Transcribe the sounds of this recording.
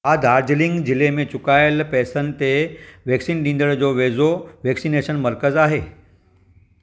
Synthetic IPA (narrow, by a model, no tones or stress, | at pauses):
ad̪ʱaːɾd͡ʑlɪ̃ŋɡd͡ʑɪlemẽt͡ɕʊkaːjəlpɛːsənɪ̆t̪eʋeːksiːnɗĩnd̪əɽd͡ʑoʋeːzoʋeːksineʃənməɾkəzaːɦeː